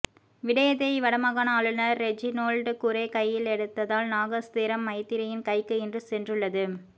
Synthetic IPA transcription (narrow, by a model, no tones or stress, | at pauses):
ʋɪɽɐjɐðɐɪʋɐɽɐmɐɣɐnaːɭɯnɐːɛd͡ʒinoːlɖkʊɾeːkɐjːɪlɛɽɯt̪ːɐðaːlnaːɣɐst̪ɪɾɐmːɐɪt̪ːɪɾɐjɪnkɐɪkːɯɛndrɯsɛndrɯɭːɐðɯ